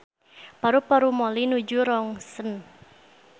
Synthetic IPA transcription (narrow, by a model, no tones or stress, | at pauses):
paɾupaɾumolinud͡ʒuɾɔŋsən